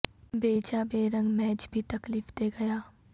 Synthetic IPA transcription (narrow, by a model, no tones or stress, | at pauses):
beːd͡ʒabeːɾə̃ŋɡmɛːt͡ʃbʱit̪ɐkliːfd̪eːɡɐjaː